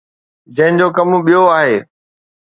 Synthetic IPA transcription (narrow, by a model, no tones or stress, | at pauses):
d͡ʑɐ̃ɦɪ̃n̆d͡ʑokɐmɓijoaːɦeː